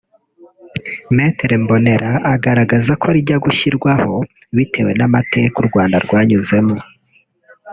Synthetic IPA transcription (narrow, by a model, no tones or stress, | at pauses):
meteɾembo̞ne̞ɾʔaʔaɡaɾaɡazakʰoɾiɟaɡuçiɾɡwaho̞ | βite̞we̞namatʰe̞kuɾɡwaːndaɾɡwaːɲuze̞mo